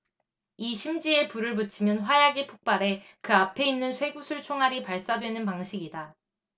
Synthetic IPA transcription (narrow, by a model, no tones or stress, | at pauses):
iɕʰimd͡ʑie̞puɾɯɭpɯt͡ɕʰimjʌnɸwajaɡipʰok̚p͈aɾe̞kɯapʰe̞inːɯnsʰwe̞ɡusʰɯɭt͡ɕʰoŋɦaɾipaɭs͈adwe̞nɯnpaŋɕʰiɡida